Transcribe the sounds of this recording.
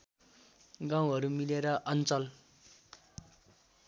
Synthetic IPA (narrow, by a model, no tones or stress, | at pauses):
ɡaw̃ɦʌɾumileɾʌʔʌnt͡sʌl